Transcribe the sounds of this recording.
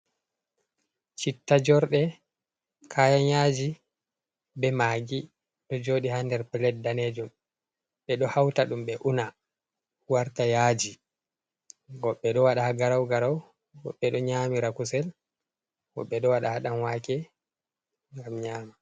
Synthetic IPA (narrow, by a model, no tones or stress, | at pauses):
t͡ʃitːad͡ʒɔɾɗɛ | kʰajanjad͡ʒi | bɛmaːɡi | ɗɔd͡ʒoːɗihandɛɾplɛt̚daned͡ʒum | ɓɛɗɔhawtaɗumɓɛʔuna | waɾtajad͡ʒi | ɡɔɓːɛɗɔwaɗahaɡaɾawɡaɾaw | ɡɔ̰ɓːɛɗɔɲaːmiɾakusɛl | wɔ̰ɓɛɗɔwaɗahaɗanwakɛ | ŋɡamɲaːma